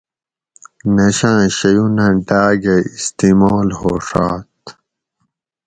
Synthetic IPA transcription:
nɐɕãːɕɐjunɐ̃ɖaːɡeist̪iːmoːlhoːʂaːt̪

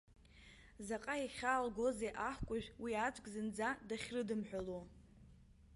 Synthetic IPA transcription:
zaqʼaiχʲaːlɡʷo̞zeʔaħʷkʷʼʊʒʲᶣwiat͡ʃʷʼɡʲʼzɨnd͡zadaχʲrɨdɨmħʷᶣalu

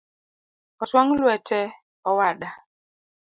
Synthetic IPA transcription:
ɔswaŋlwɛtʰɛ | ɔwaɗa

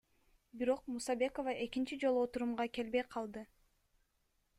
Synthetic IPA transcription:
biɾo̞qmusɑbe̞ko̞vɑʔe̞kint͡ʃid͡ʒo̞lˠuot̪uɾumʁɑke̞lbe̞jqʰɑlˠd̪ɯ

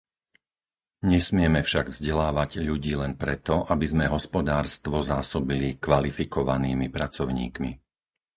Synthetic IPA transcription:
ɲɛsmɪɛmɛfʃaɡvzɟɛlaːʋaɟʎuɟiːlɛnpɾɛt̪ɔʔabizmɛɦɔspɔd̪aːɾst̪ʋɔzaːsɔbilikʋalifikɔʋaniːmipɾat͡sɔʊɲḭːkmḭ

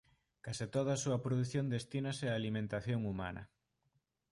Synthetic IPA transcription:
kasit̪oð̞asuɐpɾoðuθjond̪est̪inaseaːlimẽnt̪aθjoŋumanɐ̰

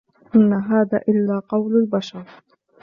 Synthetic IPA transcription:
ʔɪnːaɦaːðaːʔɪlːaːqɑwlalbaʃɑɾˤ

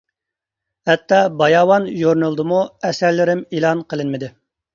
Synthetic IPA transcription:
hɛt̪ʰːɑbɑjɑːwɑnʒoɾnɨlˠd̪ɨmuɛsæɾlɪɾɪmelˠɑnqəlˠɨnmɪd̪ɪ

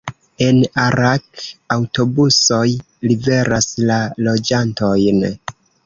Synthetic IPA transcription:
e̞naɾakawto̞buso̞j | live̞ɾaslalo̞d͡ʒanto̞jn

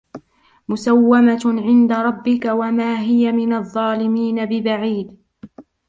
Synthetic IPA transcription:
mʊsawːamaʕɪnd̪aɾˤɑbːɪkawamaːɦɪjamɪnaðˤːɑːlɪmiːnabɪbaʕiːd̪

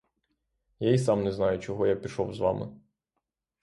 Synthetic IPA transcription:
jaisɑmnɛznɑjʊt͡ʃɔɦɔjapʲiʃɔwzʋɑ̰mɪ̰

